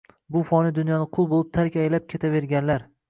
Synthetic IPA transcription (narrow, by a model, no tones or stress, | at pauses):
bʊfɒnɪd̪ʊnjɒnɪqʰʊlˠbolˠɪp̚t̪ʰaɾkʲajlap̚kʲʰe̞t̪ʰave̞ɾɡʲanlaɾ